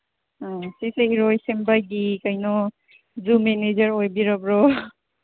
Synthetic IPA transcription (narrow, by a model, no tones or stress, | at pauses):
siseiɾojsembajɡikajnɔ | zumened͡ʒɐɾojbiɾɔbɾɔ